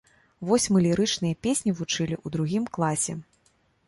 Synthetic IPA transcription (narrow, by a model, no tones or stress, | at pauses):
vɔsʲmɨlʲiɾɨt͡ʂnɨjɐpʲesʲnʲivut͡ʂɨlʲiʔud̪ɾuɣʲimklˠasʲɛ̰